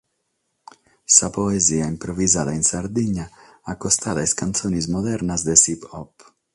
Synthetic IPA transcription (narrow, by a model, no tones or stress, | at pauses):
sapɔɛzijaimpɾɔvizalɛinsaɾd̪iɲaakɔst̪alɛskant̪t͡s̪ɔnizmɔd̪ɛɾnazd̪ɛsipɔp